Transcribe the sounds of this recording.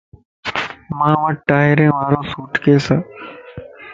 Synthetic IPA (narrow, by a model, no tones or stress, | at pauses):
mãːʋəʈaːɦɪɾẽːʋaːɾõːsuːʈʰkeːsãː